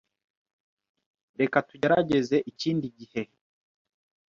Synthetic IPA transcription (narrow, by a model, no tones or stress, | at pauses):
ɾe̞katuɟaɾaɟe̞ze̞ʔiciːndiɟihe̞